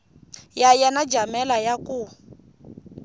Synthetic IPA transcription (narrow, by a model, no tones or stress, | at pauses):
jajanad͡ʒamɛlajaku